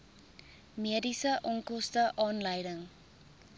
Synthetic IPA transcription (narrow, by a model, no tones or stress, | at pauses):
miədisəʔɔŋkɔstəʔɑːnləjdəŋ